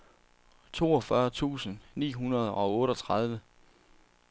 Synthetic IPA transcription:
t͡sʰo̝̰ːɒ̽fɶɐt͡sʰṵːsənnḭːɦunɐð̞ˠɒ̽ɔ̽ːɾɒt͡sʰʁɑ̈ð̞ˠʋə

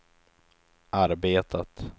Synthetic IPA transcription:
aɾbeːt̪ʰat̪

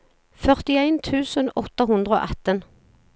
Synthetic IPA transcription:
fœʁt̪ɪæɪnt̪ʰʉːsənɔt̪əɦʉnd̪ʁəo̰ːʔɑt̪ən

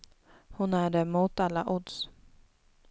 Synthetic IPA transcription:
hʊnæɖɛmuːt̪alːaʔʊd̪s

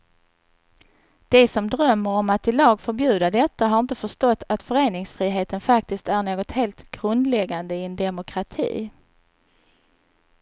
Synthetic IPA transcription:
d̪̥ɛsɔmd̪ɾœmːəɾɔmat̪ɪlɑːɡfœɾbjʉ̟ːd̪ad̪ɛt̪ːaɦaɾɪnt̪əfœʂt̪ɔt̪ːat̪fœɾeːnɪŋsfɾiːɦeːt̪ʰənfak̚t̪ɪst̪æɳoːɡɔt̪heːlt̪ɡ̥ɾɵnd̪lɛɡːand̪əɪɛnd̪ɛmʊkʰɾat̪ʰḭː

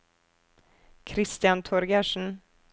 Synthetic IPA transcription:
kʰɾɪst̪ɪjant̪ʰɔɾɡaʂn̩

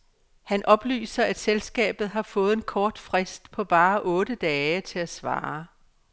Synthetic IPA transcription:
hænʔɒ̽b̥ly̰ːsɐʔæd̥selsɡ̥ɛ̰ːb̥ð̩ˠɦɑ̈fɔ̽ːð̩ˠe̝nkʰɒːd̥fʁesd̥pʰɒ̽b̥ɑ̈ːʔɔ̽ːd̥əd̥ɛːət͡sʰe̝læsʋɑ̰̈ː

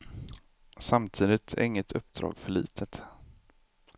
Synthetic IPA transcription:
samt̪ʰiːd̪ɪt̪ʰæ̰ɾɪŋːət̪ʰɵpːd̪ɾɑ̰ːɡfœɭiːt̪ʰət̪

